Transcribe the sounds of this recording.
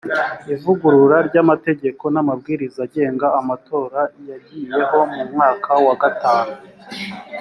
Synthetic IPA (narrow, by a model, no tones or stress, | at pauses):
ivuɡuɾuɾaɾɟamate̞ɟe̞ko̞namabɡiːɾizaɟe̞ːŋɡaːmato̞ːɾajaɟiːje̞ɦo̞mumŋaːkʰawaɡataːnu